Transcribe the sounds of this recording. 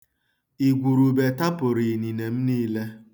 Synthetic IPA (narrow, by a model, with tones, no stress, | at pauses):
i˨ɡʷu˨ɾu˨be˨ta˦pʊ˨ɾi˨ni˨ne˨m̩˦niː˦le˦